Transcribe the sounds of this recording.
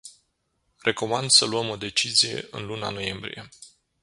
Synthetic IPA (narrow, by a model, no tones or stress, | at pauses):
rʔe̞ko̞mand̪səluəmo̞d̪e̞t͡ʃizije̞̰ʔɨ̰nluna̰no̞je̞mbɾḭje̞